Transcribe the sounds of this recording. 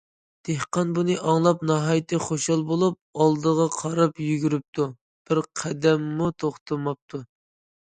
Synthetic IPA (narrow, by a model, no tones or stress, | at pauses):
d̪̥ehqɑnbunɨʔɑŋlˠɑpnɑɦɑjt̪ʰɨχoʃɑlˠbolˠup̚ɑlˠd̪əʁɑqʰɑɾɑpjyɡʲyɾyp̚t̪ʰu | b̥ɪɾqʰæd̪ɛmːut̪ʰoχt̪ʰɨmɑp̚t̪ʰu